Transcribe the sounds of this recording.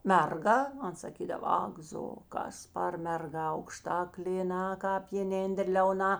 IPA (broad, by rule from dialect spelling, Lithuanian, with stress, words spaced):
ˈmʲɛrˌɡɐ ˈɐn sɐˈkʲiːdɐʋɐ ˈɐk ˌzoː ˈkɐs pɐr mʲɛrˈɡɐ ɐʊkˈʃtɐ klʲeːˈnɐ kɑːp jeːˈnʲeːndər lʲɛʊˈnɐ